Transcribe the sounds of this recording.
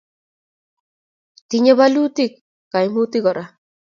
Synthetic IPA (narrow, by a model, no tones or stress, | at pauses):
t̪iɲeβalut̪ikː | ajmut̪iɣɔɾa